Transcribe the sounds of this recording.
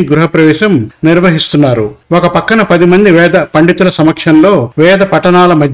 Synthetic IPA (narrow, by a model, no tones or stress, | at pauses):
iɡɾuɦɐpɾɐʋɛːʃɐmniɾʋɐɦist̪unːaːɾuokɐpɐkːɐnɐpɐd̪imɐnd̪iʋɛːd̪ɐpɐɳɖit̪ulɐsɐmɐkʂɐnlo̞ːʋɛːd̪ɐpɐʈːɐnaːlɐmɐd̪